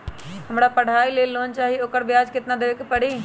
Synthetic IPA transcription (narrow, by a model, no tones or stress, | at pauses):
həmɽapəɽ̤ʱaːileːloːnt͡ʃaːɦioːkəɾbjaːd͡ʒkɪt̪nãd̪eʋkpəɽiː